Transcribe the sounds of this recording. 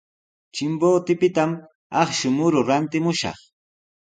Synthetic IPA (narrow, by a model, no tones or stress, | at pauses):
t͡ʃɪmboːt̪ɪpɪt̪am | ɑχʃʊmʊɾʊɾant̪ɪmʊʃɑ̰χ